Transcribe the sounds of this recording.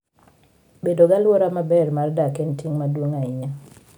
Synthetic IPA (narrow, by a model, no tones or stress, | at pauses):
bedoɡalwoɾamabɛrmardakentiŋmadwoŋaɪɲa